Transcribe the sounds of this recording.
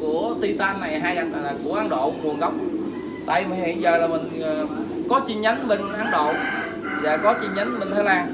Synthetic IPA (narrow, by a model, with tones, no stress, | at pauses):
ku˧˩ət̪i˧t̪aː˧nːa˨˩jɦaː˧jʔa˧˦˧a˨˩ku˧˩əʔaː˨˦nɗo̰˧˨ku˨˩ŋ̚ɣa˨˩wk͡p̚ | t̪a̰ː˧˨jmaː˨˩nhḭ˧˨ənzəː˨˩laː˨˩mï˨˩ŋ̟ː˨˩kɔ˨˦t͡ɕi˧ɲə˨˦nɓe˧nʔaː˨˦nɗo̰˧˨ | za̰ː˧˩kɔ˨˦t͡ɕi˧ɲə˨˦nɓe˧nt̪ʰəː˨˦laː˧